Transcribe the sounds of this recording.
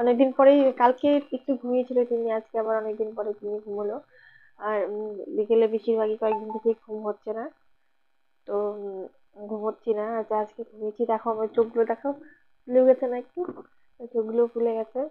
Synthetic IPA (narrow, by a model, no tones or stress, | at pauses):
ɔnek̚d̪inpɔɾejkalkeek̚ʈuɡʱumiet͡ɕʰilet̪iniad͡ʑkeabaɾɔnek̚d̪inpɔɾet̪iniɡʱumɦolo | aɾlikelebiʃiɾbʱaɡikɔek̚d̪int̪ʰekeɡʱumɦotːɕʰena | t̪o | ɡʱumɦotːɕʰinaaead͡ʑkeɡʱumiet͡ɕʰid̪ɛkʰaamatoɡulod̪ɛkʰao | pulewɡɛt͡ɕʰenaek̚ʈu | toɡɡulokuleɡɛt͡ɕʰe